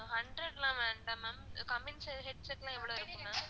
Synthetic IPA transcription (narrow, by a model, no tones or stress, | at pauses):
hɐɳɖɾɐɽlãːʋeːɳɖaːmakɐmɪnsɦɛɖ̚sɛkːlãːɛʋːɪɭoːɪɾɯkːɯmːaː